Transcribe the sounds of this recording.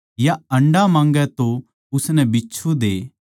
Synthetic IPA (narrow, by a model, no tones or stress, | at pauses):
jaɐ̃ɳɖamãːŋɡɛt̪o | ʊsnɛbɪːt͡ʃʰod̪eː